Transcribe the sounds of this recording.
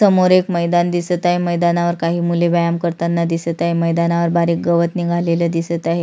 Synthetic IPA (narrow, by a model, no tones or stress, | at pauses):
əmoɾekməjd̪and̪isət̪aɦeməjd̪anaʋəɾkaɦiːmuleʋajamkəɾt̪anːad̪isət̪aɦeməjd̪anaʋəɾbaɾiːk̚ɡəʋət̪niɡʱaleləd̪isət̪aɦe